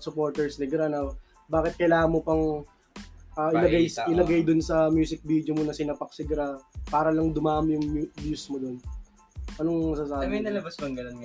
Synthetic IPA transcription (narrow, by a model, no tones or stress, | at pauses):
sʊpo̞ɾt̪ɛɹsnɪɡɾanɐw | baːkɪt̪̚kɐjlaːhɐnmopɐŋ | ʔaːʔɪlɐɡajʔɪlɐɡajd̪ʊnsɐmjuːsɪk̚bid̪jomonɐsɪnapɐk̚sɪɡɾapaːɾɐlɐŋd̪ʊmaːʔɐmjʊŋmubjusmod̪o̞n | ʔɐnoŋmɐsaːsaːbmɐnɐlɐbɐskɐŋɡɐnon